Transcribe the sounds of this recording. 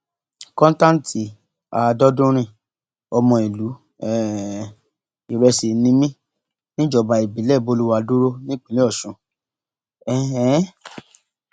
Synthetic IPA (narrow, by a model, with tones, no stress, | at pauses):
kɔ̃˦n˦tã˦n̩˦tʰi˨˦˨ | a˨˧dɔ˦dũ˦ɾ̃ĩ˧˨ | ɔ˧mɔ̃˧i˨lu˨˦ | ɛ˨˦ | i˨ɾɛ˧si˨nĩ˧mĩ˦ | nĩ˦d͡ʒɔ˧˨ba˧i˨bi˨˦lɛ˦˨bo˧˦lu˦wa˧du˦ɾo˦nĩ˦˨k͡pĩ˨lĩ˦ɔ˦˨ʃũ˨ | ɛ˦˨ɛ˦